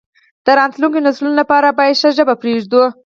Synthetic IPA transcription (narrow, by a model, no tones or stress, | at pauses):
d̪̥əɾɑnt̪luŋkenaslunolapɑɾabɑjad̪ʃəʒəbapɾeʒd̪u